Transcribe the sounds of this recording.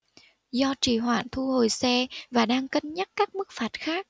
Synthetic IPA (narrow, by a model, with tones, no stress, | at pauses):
zɔ˧t͡ɕi˧˩ɦwa̰ː˧˨nt̪ʰu˧ho˨˩jsɛ˧vaː˨˩ɗaː˧ŋkə˧nɲə˦˥t̚kaː˦˥k̚mɨ˦˥k̚faː˨˩t̚xaː˦˥k̚